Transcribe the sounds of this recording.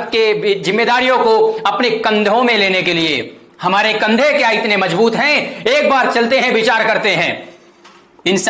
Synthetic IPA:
kezɪmːeːd̪aːɾijõkoɐpnekɐ̃nd̪ʱõmẽleːnekelie | hɐmaːɾekɐ̃nd̪ʱekeaɪt̪nemɐzbuːt̪ɦɛ̃eːk̚baːɾt͡ʃɐlt̪eɦɛ̃ʋɪt͡ʃaːɾkɐɾt̪eɦɛ̃ː | ɪns

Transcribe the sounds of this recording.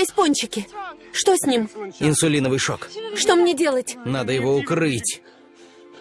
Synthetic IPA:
ɪsʲponʲt͡ɕɪkʲɪʂt̪osʲnʲimɪnsʊlʲinəvɨjʂo̰kʂt̪o̞mnʲedʲe̞lˠətʲnad̪əjɪvoʊkɾɨtʲ

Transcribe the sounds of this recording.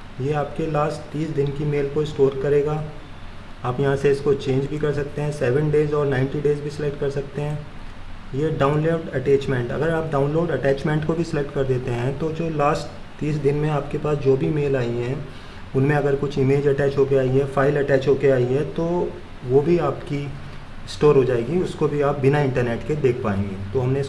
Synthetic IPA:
jeːaːpkelaːsʈt̪iːsd̪ɪnkimeːlkoɪsʈoːɾkɐɾeːɡaː | aːpjɐɦãseɪskot͡ʃẽːɲd͡ʒbʱikɐɾsɐk̚t̪eɦɛ̃ːsɛːʋə̃ɳɖeːzɔːɾnãːɪ̃ɳʈiɖeːzbʱisɪlɛk̚ʈkɐɾsɐk̚t̪eɦɛ̃ː | jeːɖaːʊ̃nloːɖɐʈɛːt͡ʃmɛ̃ɳʈɐ̰ɡəɾaːp̚ɖãːʊ̃nloːɖɐʈɛːt͡ʃmɛ̃ɳʈkobʱisɪlɛk̚ʈkɐɾd̪eːt̪eɦɛ̃t̪od͡ʒoːlaːsʈ | t̪iːsd̪ɪnmẽaːpkepaːsd͡ʒoːbʱimeːlaːiɦɛ̃ | ʊnmẽɐɡəɾkʊt͡ʃʰɪmeːd͡ʒɐʈɛːt͡ʃɦoːkeaːiɦɛfaːɪlɐʈɛːt͡ʃɦoːkeaːiɦɛt̪oː | ʋobʱiaːpki | sʈoːɾɦod͡ʒaːeːɡiʊskobʱiaːp̚bɪnaɪ̃ɳʈəɾneːʈked̪eːkʰpaːḛ̃ːŋɡeːt̪oɦɐmneɪs

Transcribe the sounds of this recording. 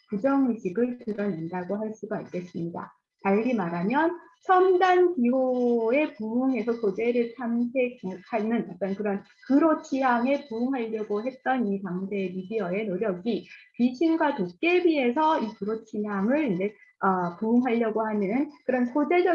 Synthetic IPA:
kud͡ʑʌŋiɕʰiɡɯɭkɯɾʌnindaɡoɦaɭs͈uɡaːɭk͈e̞s͈ɯmɲida̰ | taɭɡimaɾamjʌn | t͡ɕʰʌmdankioe̞puuŋɦe̞sʰʌkod͡ʑe̞ɾɯɭt͡ɕʰamsʰekhanɯnʌt͈ʌnkɯɾʌn | kɯɾot͡ɕʰiɦaŋe̞puuŋɦaʎːʌɡoɦe̞t̚t͈ʌnitaŋde̞midiʌe̞noɾjʌɡipɥiɕʰinɡwatok̚k͈e̞bie̞sʰʌikɯɾot͡ɕʰiɦaŋɯɭind͡ʑe̞ʌpuuŋɦaʎːjʌɡohanɯnkɯɾʌnsʰod͡ʑe̞d͡ʑʌ

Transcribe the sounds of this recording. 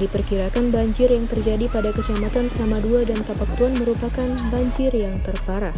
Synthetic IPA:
dipərkiɾakanbaɲd͡ʒɪrjaŋt̪ərd͡ʒadipadakəsəlamat̪ansəamaduadank̪apak̚t̪uanməɾupakanbaɲd͡ʒɪrjaŋt̪ərfaɾa

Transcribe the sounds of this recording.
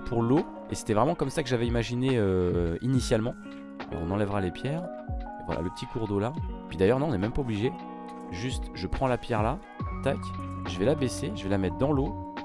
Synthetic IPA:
pʰuʁlo | ese̥t̪ɛvʁɛmɑ̃kɔmsakəʒavɛimaʒineøinisjalmɑ̃ | lɔ̰ʁɔ̃nɑ̃lɛvʁalepjɛːʁ | vwa̰lʔa̰ləpə̥t̪ʰikuʁd̪olapɥid̪ajœʁnɔ̃ɔ̃nɛmɛmpaobliʒe | ʒyst̪ʒəpχɑ̃lapjɛʁla | t̪akʲʒəvɛlabeseʒəvɛlamɛt̪χd̪ɑ̃lo

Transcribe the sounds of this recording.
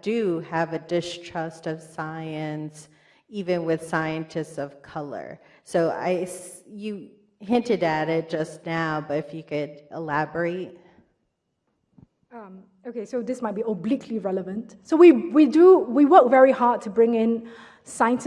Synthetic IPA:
d̥ɨəvɨdɨstʰɹ̥ʌstʌv̥saɪɨ̃ns | ivɨ̃nwɪð̥saɪɨ̃ntʰɨstsʌv̥kʰʌlˠə̰˞ | soʊa̰ɪsjɨ | ɦɪ̃ntɨɾɨɾɪt̚d̥ʒ̥ʌsnaʊbʌɾɨfjɨkɨɾʔɪlæbə˞eɪt̚ | ʌm | okʰesod̪ɪsmaɪt̚b̥iəblikʰliɹɛləvə̃nt | sowiwiduwiwəkvɛɹihad̚tʰːubɹɪ̃ŋɪ̃n | saɪə̃nt

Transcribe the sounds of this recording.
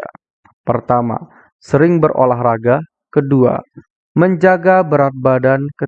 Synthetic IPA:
pərt̪ama̰ | səɾɪŋbərʔo̰laɦraɡa | kədua̰ | məɲd͡ʒaɡabəɾat̪̚badankə

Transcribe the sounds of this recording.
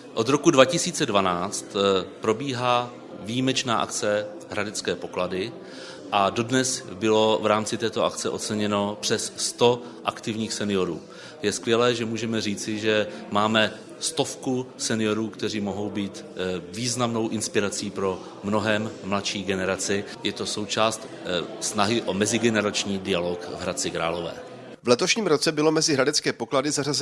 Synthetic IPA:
ʔo̞d̪ɾo̞kudvacɪsiːt͡sɛdvanaːt͡st̪pɾo̞biːɦaː | vijimɛt͡ʃnaːʔa̰kt͡sɛ | ɦɾadɛt͡skɛːpo̞kladɪ | ʔado̞dnɛsbɪlo̞vɾaːmt͡sɪt̪ɛːt̪o̞ʔakt͡sɛʔo̞t̪t͡sɛɲɛno̞pr̥ɛsːt̪o̞ | ʔakt̪ɪvɲiːxsɛnɪjo̞ɾṵː | jɛskvjɛlɛːʒɛmuːʒɛmɛriːt͡sɪʒɛmaːmɛ | st̪o̞fkusɛnɪjo̞ɾuːkt̪ɛriːmo̞ɦo̞wbiːt̪viːznamno̞wʔɪnspɪɾat͡siːpɾo̞ | mno̞ɦɛmːlat̪ʃiːɡɛnɛɾat͡sɪ | jɛt̪o̞so̞wt͡ʃaːst̪ | snaɦɪʔo̞mɛzɪɡɛnɛɾat͡ʃɲiːdɪjalo̞kvɦɾat͡sɪkɾa̰ːlo̞vɛ̰ː | vlɛt̪o̞ʃɲiːmɾot͡sɛbɪlo̞mɛzɪɦɾadɛt͡skɛːpo̞kladɪzarazɛ

